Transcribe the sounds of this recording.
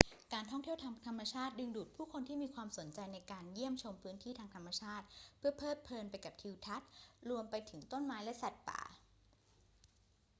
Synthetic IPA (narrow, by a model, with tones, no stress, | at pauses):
kaː˧nt̪ʰɔ˥˩ŋt̪ʰi˥˩əwt̪ʰa˧t̪ʰa˧mːa˧t͡ɕʰaː˥˩t̪̚dɯ˧ŋduː˨˩t̪̚pʰuː˥˩kʰo˧nt̪ʰiː˥˩miː˧kʰwaː˧mso˩˦nt͡ɕa˧jna˧jkaː˧nji˥˩əmt͡ɕʰo˧mpʰɯː˦˥nt̪ʰiː˥˩t̪ʰaː˧ŋt̪ʰa˧mːa˧t͡ɕʰaː˥˩t̪̚pʰɯ˥˩ɐpʰɤː˥˩t̪̚pʰɤː˧npa˧jka˨˩p̚t̪ʰi˧wt̪ʰa˦˥t̪̚ɾu˧əmpa˧jt̪ʰɯ˩˦ŋt̪o˥˩nmaː˦˥jlɛ˦˥sa˨˩t̪̚pa̰ː˨˩